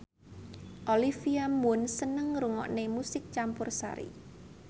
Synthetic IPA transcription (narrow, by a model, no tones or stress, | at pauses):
ʔolifiamʊnsənəŋɾuŋɔ̰ʔnemusɪk̚t͡ʃampʊrsa̰ɾḭ